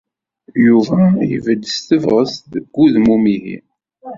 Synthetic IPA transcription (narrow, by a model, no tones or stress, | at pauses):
juvæjə̰vəd̪ːəst̪əvʁəsðəɡːuðmumiɦḭ